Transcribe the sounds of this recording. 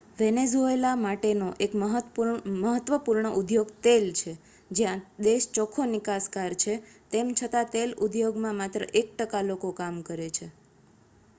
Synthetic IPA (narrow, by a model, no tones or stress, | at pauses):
ʋenezuelamaʈenoʔekməɦəməɦət̪ʋəpuɾɳəʔud̪joɡt̪elt͡ʃʰe | d͡ʒjãd̪eʃt͡ʃɔkʰonɪkaskaɾt͡ʃʰet̪emt͡ʃʰət̪at̪elud̪joɡmãmat̪ɾə̰ʔek̚ʈəkalokokamkəɾet͡ʃʰe